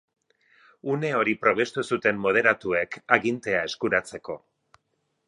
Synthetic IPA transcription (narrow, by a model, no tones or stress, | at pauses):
une̞o̞ɾipɾo̞β̞est̪usut̪e̞mmo̞ð̞e̞ɾat̪ue̞kaɣint̪e̞ae̞skuɾat͡se̞ko̞